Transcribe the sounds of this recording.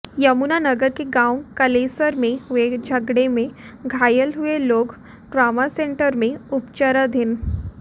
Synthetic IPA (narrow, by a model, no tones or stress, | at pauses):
jɐmunanəɡəɾkeɡãːwkɐleːsəɾmẽɦʋed͡ʒʱɐɡɽemẽɡʱaːjəlɦʊeloːɡ | ʈɾaːmasẽɳʈəɾmẽʊpt͡ʃəɾəd̪ʱɪn